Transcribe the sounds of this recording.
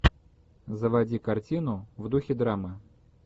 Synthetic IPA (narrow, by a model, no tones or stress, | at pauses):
zəvɐdʲikɐrtʲinʊvd̪uxʲɪd̪ɾamɨ